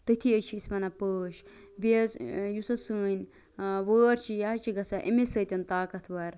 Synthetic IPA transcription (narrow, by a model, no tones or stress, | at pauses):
t̪ət̪ʰiət͡ʃʰiismɐnɐpəːʃ | bezjusɐsɨːnʲ | ʋəːɾt͡ʃʰijaɦɐt͡ʃʰiɡɐsɐʔḭmesɐt̪ʲɐnt̪aːkɐt̪ʰʋɐɾ